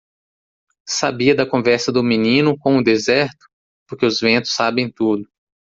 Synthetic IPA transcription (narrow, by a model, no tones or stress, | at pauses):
sabiɐd̪ɐkõvɛɾsɐd̪ʊminĩnʊkõʊd̪ezɛɾt̪ʊ̥ | poɾkeʊzvẽnt̪ʊ̥sːabẽj̃t̪ud̪ʊ